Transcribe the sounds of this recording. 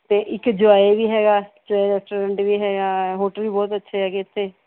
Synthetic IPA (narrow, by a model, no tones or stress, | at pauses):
t̪eːʔɪkd͡ʒʊaːeʋiːɦɛːɡaːd͡ʒaːeɾɛːsʈoːɾɛ̃ɳʈʋiːɦɛːɡaːɦoːʈəlbiːbɔːt̪ətːʃʰeɦɛːɡet̪ʰːeː